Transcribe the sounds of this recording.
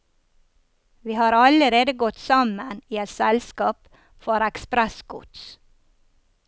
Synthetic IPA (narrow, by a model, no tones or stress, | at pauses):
ʋiːhɑːɾɑləɾeːd̪əɡɔt̪sɑməniːɛt̪sɛlskɑːp | fɔɾɛkspɾɛsɡʊ̰t̪s